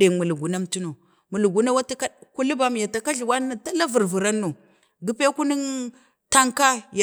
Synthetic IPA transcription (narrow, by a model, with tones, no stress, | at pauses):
e˨mu˨lu˨ɡu˨na˦m˦tu˦no˨ | mu˨lu˨ɡu˨na˦wa˦ti˦ka˦ku˦li˦ba˨˦m˨ja˨ta˨ka˦ɮi˨wa˦nː˦a˨ta˦la˦vu˨ɾvu˨ɾa˦nːu˨ | ɡi˦pe˦ku˦ni˦n | ta˦ŋka˦ja˨